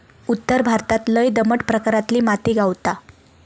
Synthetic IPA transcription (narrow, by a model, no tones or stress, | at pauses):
ut̪ːəɾbʱaɾt̪at̪ləjd̪əməʈpɾəkaɾat̪liːmat̪iːɡawt̪a